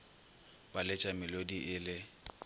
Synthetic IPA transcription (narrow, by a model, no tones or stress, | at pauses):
balɪt͡ʃʼamɪlodiʔɪlɪ